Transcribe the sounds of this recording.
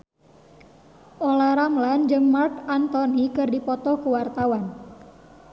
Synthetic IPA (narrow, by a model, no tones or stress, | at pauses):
ʔolaɾamland͡ʒəmːarkant̪ɔnikɨrdipɔt̪ɔkuwart̪awan